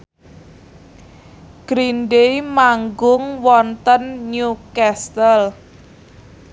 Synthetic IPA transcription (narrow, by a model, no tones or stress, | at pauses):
ɡ̥ɾinɖejmaŋɡʊŋwɔnt̪ənɲukɛst̪əl